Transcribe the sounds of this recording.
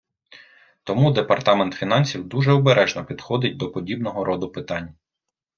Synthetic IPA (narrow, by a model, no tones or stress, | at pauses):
t̪ɔmud̪epɐrt̪ɑment̪fʲin̪ɑnʲsʲiwd̪uʒɛɔbeɾʔɛʒnɔpʲid̪xɔd̪ɪt̚ʲd̪ɔpɔdʲibnɔɦɔɾʔɔd̪ʊpɪt̪ɑnʲː